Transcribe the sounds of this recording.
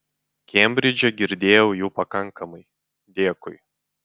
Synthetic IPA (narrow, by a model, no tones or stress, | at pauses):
kʲɛmʲbʲɾʲɪd͡ʒʲɛɡʲɪɾʲd̪ʲeːjɛʊjuːpɐkɐŋˑkɐmɐɪ | d̪ʲeːkʊɪ